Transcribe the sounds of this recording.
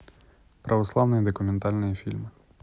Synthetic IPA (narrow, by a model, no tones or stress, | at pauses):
pɾʔɐʋɔslˠɑwnɔjid̪ɔkʊmʲent̪ɑlʲnɔjifʲilʲmɪ